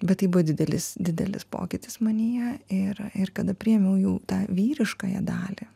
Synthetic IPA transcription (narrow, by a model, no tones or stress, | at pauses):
bʲɛt̪t̪ːɐɪbʊʋɐd̪ʲɪd̪ʲɛlʲɪsd̪ʲɪd̪ʲɛ̰lʲɪ̰spo̰ːkʲɪt̪ʲɪsmɐnʲijɛɪɾɪrkɐd̪ɐpʲɾʲɪjɛmʲɛʊjuːt̪ɑːʋʲiːɾʲɪʃkɐːjɛ̰d̪ɑːlʲi